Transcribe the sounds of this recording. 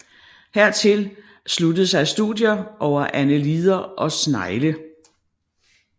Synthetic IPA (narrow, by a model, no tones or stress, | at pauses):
heɐ̰t͡sʰe̝l | slud̥ð̩ˠsɑ̈ɪsd̥ṵðˠjɐʔɒʊ̰ɐʔænəliːð̞ˠɐʔɒ̽snɑ̈ɪlə